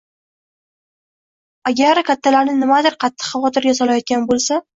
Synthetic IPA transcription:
aɡʲaɾkʲat̪ʰːalaɾnɪnɪmad̪ɪɾqʰɑt̪ʰːɨ̥qχɑvɒt̪ʰɪɾɡʲasɒlajɒt̪̚kʲanbolˠsa

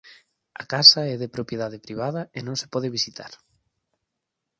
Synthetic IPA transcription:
a̰kasɐɛðepɾopjeðaðepɾiβ̞aðɐenõŋse̥pɔð̞ɪβisit̪ʰa̰ɾ

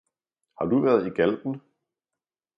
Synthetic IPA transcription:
hɑ̈d̥uʋæɐð̩ˠiɡ̥æld̥n̩

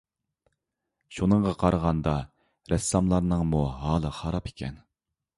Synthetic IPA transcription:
ʃunəɴʁɑqʰɑɾəʁɑnd̪ɑ | ɾɛsːɑmlˠɑɾnɨŋmuɦɑːlˠəχɑɾɑpe̥kʲʰɛ̰n

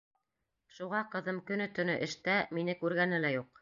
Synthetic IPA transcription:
ʃuʁɑqɤ̆ðɤmkɵ̆nɵt̪ɵ̆nɵʔɘ̆ʃt̪æminɘkʉɾɡænɘlæjuq

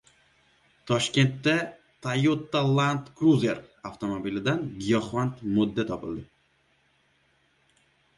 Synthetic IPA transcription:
t̪ʰɒʃkʲe̞nt̪ːa | t̪ʰajot̪ːalˠant̪kɾuzeɾaft̪ʰomobilɪd̪anɡijɒχvant̪mod̪ːat̪ʰɒpɪld̪ɪ

